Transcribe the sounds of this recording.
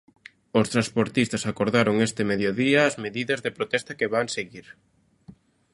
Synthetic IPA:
ost̪ɾaspoɾt̪ist̪ɐsakoɾðaɾoŋest̪ɪmeðjoðiɐːzmeðiðɐzðepɾot̪ɛst̪ɐkeβaŋseɣiɾ

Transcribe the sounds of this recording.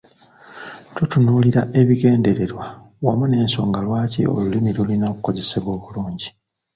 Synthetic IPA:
tutunuːliɾaʔe̞βiɡe̞ːnde̞ɾeɾwa | wamune̞ːnso̞̰ːŋɡalwaːcḭo̞̰lulimilulinakuko̞ze̞seβo̞ːβuluːɲɟi

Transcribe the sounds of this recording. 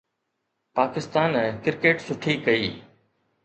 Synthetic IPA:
paːkɪst̪aːnɛ̃ːkɪɾkeːʈsʊʈʰiːkɐiː

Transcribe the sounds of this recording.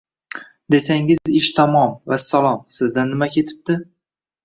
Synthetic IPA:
d̪e̞saŋɪzɪʃt̪ʰamɒmvasalˠɒmsɪzd̪anːɪmakʲʰe̞t̪ʰɪ̥p̚t̪ɪ

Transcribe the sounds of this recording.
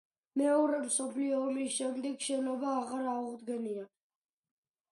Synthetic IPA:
mɛɔɾɛmsɔpʰliɔːmisʃɛmd̪ɛɡʃɛnɔbaːʁaɾauʁd̪ɡɛnia

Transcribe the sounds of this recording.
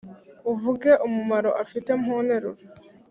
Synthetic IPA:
uvuɡe̞ʔumumaɾo̞ʔafite̞mhone̞ɾuɾe

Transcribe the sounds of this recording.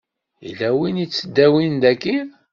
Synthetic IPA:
ḭlæwinit͡sːəd̪ːæwind̪ækːi

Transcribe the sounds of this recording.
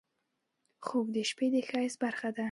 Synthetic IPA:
χobd̪eʃped̪exajsbaɾχad̪a

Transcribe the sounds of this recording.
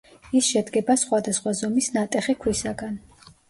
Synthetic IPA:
isʃɛd̪ɡɛbasχwad̪asχwazɔmisnat̪ʼɛχikʰlisaɡan

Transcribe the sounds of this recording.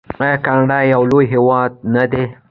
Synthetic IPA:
kaŋɖajawlojɦewɑd̪̚nad̪e

